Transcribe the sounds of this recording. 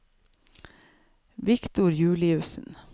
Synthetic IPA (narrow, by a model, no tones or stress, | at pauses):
ʋɪkt̪ʊɾjʉːlɪʉsn̩